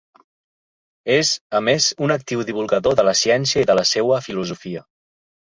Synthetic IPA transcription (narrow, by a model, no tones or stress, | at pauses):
ezəmezunək̚t̪iwðiβ̞ulˠɣəðoðələsjɛnsiəiðələsewəfiluzufiə